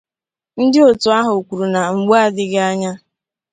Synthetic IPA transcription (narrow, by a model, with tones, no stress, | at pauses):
n̩˦dɪ˦o˨tʊ˨a˦ɦʊ˨kʷu˨ɾu˨na˨ŋ͡m̩˨ɡ͡ba˦a˦˨dɪ˦ɡɪ˦a˦ɲa˦